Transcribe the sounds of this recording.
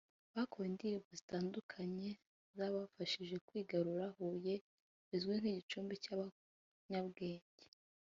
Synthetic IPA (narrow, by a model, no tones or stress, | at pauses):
βako̞wendijoβozitaːndukʰaɲe̞ | zaβafaʃiʒe̞kwiːɡaɾuɾahuje̞ | βizɡwen̥iːɟit͡ʃuːmbicaβa | ɲabɡeːɲɟe